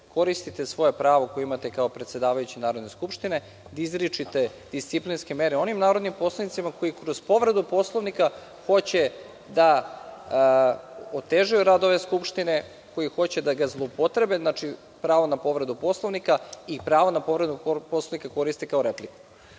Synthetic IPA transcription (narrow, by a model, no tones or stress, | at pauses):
ko̞ɾist̪it̪e̞sʋo̞je̞pɾaːʋo̞kojeimat̪ekaopɾet̪se̞d̪aːʋajut͡ɕinaːɾo̞d̪ne̞skupʃt̪ine̞ | d̪izɾit͡ʃit̪e̞ | d̪̥ist̪siplinskemeɾeo̞nimnaːɾod̪nimpo̞slˠonit̪imako̞jikɾo̞z̥po̞ʋɾe̞d̪upo̞slˠoʋnika | xo̞t͡ɕe̞ | d̪a | ot̪eʒujuɾad̪o̞ʋe̞skupʃt̪ine̞ | ko̞jixo̞t͡ɕe̞d̪aɡazlˠoupo̞t̪ɾe̞beznat͡ʃi | pɾaːʋonapo̞ʋɾe̞d̪upo̞slˠoʋnikaipɾaːʋonapo̞ʋɾed̪uposlˠonikako̞ɾist̪e̞kao̞ɾepliku̥